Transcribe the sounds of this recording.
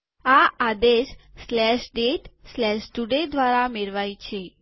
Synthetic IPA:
aad̪eʃslɛʃɖeʈslɛʃd͡ʒuɖẽd̪ʱʋaɾameɾʋajt͡ʃʰe

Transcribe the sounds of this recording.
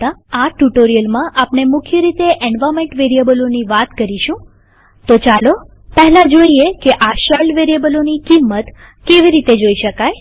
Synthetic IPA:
ãaʈuʈoɾijəlmãʔapnemʊkʰjəɾit̪eʔeɳɖʋamẽɳʈʋeɾiəbəloniʋat̪kəɾiʃũ | t̪ot͡ʃalo | pɛɦlãd͡ʒoiekeʔaʃelʋeɾijebəlonikimːət̪ | keʋiɾit̪ed͡ʒoiʃəkaj

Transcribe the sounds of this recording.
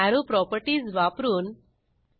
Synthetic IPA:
aɾupɾɔpəɾʈiːzʋapɾuːn

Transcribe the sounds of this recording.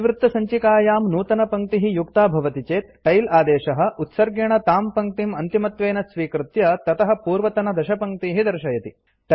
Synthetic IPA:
ʋɾɪt̪ːɐsɐɲt͡ʃikaːjaːmnuːt̪ɐnɐpɐŋk̚t̪iɦijukt̪aːbʱɐʋɐt̪it͡ʃeːt̪ʈɐjlaːd̪eːʃɐɦɐ̆ut̪sɐɾɡeɳɐt̪aːmpɐŋk̚t̪imɐnt̪imɐt̪ʋeːnɐsʋiːkɾut̪jɐt̪ɐt̪ɐɦɐ̆puːɾʋɐt̪ɐnɐd̪ɐʃɐpɐŋkt̪iːɦid̪ɐɾʃɐjɐt̪i | ʈ

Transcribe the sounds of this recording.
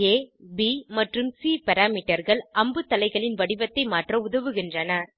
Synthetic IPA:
eːbimɐʈrɯmsiːpɐɾaːmiːʈːɐɾɣɐɭʔɐmbɯt̪ːɐlɐɪɣɐɭɪnʋɐɽɪʋɐt̪ːɐɪmaːʈrɐʊðɐʋɯɣɪndrɐnɐ

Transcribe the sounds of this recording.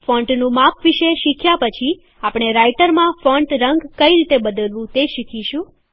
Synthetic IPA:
fɔ̃ɳʈnũmapʰʋiʃeʃikʰjapət͡ʃʰi | apɽ̃eɾaiʈəɾmãfɔɳʈɾəŋɡkəiɾit̪ebəd̪əlʋũt̪eʃikʰiʃũ

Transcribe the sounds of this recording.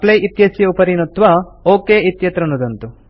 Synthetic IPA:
plɐjʔit̪jɐsjɐupɐɾinut̪ːʋɐoːkeːʔit̪jɐt̪ɾɐnud̪ɐnt̪u

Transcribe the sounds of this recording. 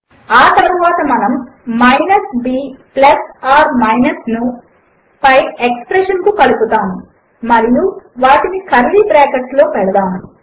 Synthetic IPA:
aːt̪ɐɾɐʋaːt̪ɐmɐnɐmːɐjnɐsbiːplɐsaːɾmɐjnɐsnu | pɐjekspɾeʂɐnkukɐluput̪aːmu | mɐɾijuʋaːʈinikɐɾlibɾɛːkɐʈslo̞ːpɛɽɐd̪aːm

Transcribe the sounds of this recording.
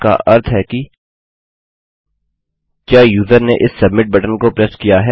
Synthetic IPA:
ka̰ʔɐɾt̪ʰɦɛki | kjaːjuːzəɾneʔɪsːɐbmɪʈ̚bɐʈənkopɾɛskijaɦɛ

